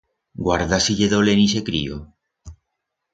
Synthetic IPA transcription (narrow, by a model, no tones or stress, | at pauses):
ɡwaɾðasiʎeðolenisekɾḭo̰